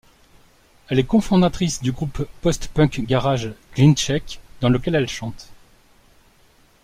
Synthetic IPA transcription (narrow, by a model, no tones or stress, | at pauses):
ɛlɛkɔ̃fɔ̃d̪at̪χisd̪yɡʁupːɔst̪pœ̃kɡaʁaʒɡ̥lint͡ʃɛkd̪ɑ̃ləkʲɛlɛlʃɑ̃t̪